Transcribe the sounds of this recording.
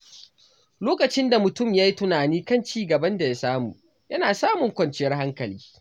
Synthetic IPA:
loː˦kɐ˨t͡ʃɪ˦nda˨mʊ˨tʊ˦˨mja˦ji˦tʊ˦naː˨niː˦kɐ˦nt͡ʃiː˦ɡɐ˨bɐ˦nda˨ja˦saː˦mṵː˨ | jɐ˦naː˨saː˦mʊ˨ŋkʷɐ˨nt͡ʃɪ˦jɐ˦rha˦ŋkɐ˨liː˦

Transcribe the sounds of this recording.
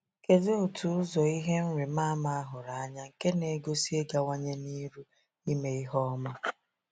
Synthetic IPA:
ke˦zo˦o˨tʰu˨ʊ˦zɔ˨i˦ɦe˦n̩˦ɾi˨ma˦ma˦a˦ɦʊ˨ɾa˨a˦ɲa˦ke˦ne˨˦ɡo˦si˦e˦ɡa˨wa˦ɲe˦ni˦ɾu˦ | i˦me˨i˦ɦɔ˦ma˦

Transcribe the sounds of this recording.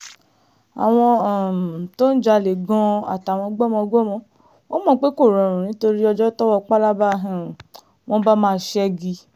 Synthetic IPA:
a̰˨w̃ɔ̃˧˨to˦n̩˦d͡ʒa˧le˨ɡɔ̃˧a̰˨ta˨w̃ɔ̃˧ɡ͡bɔ˦mɔ̃˧ɡ͡bɔ˦˨mɔ̃˧ | o˦mɔ̃˧˦k͡pe˦ko˦˨ɾɔ̃˨ɾ̃ũ˨nĩ˨˦to˧ɾi˦ɔ˧d͡ʒɔ˦tɔ˦wɔ˧k͡pa˦la˦ba˦ɦɛ̃˨ | w̃ɔ̃˦ba˦mãː˦˧˦ʃɛ˦ɡi˧

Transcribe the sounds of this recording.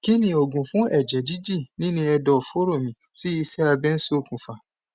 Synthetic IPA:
ki˦nĩ˨o˨ɡũ˨fũ˦ɛ˦˨d͡ʒɛ˨di˦di˦˨nĩ˦nĩ˧ɛ˧dɔ˨fo˦ɾo˦˨mĩ˨ | ti˦i˧sɛ˦a˧bɛ˦n̩˦so˦˨kũ˨fa˨

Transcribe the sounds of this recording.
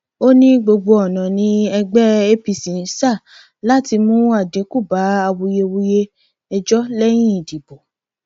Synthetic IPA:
o˦nĩ˦ɡ͡bo˧ɡ͡bo˧ɔ˨nã˨nĩ˧˦ɛ˧ɡ͡bɛ˦e˦pi˨sĩ˨n˦sa˦˨ | la˦ti˧mũ˦a˦˨dĩ˨˦ku˦˨ba˨˦a˧wu˧je˧wu˧je˦ | ɛ˧d͡ʒɔ˦lɛ˦j̃ĩ˦˨di˨bo˨

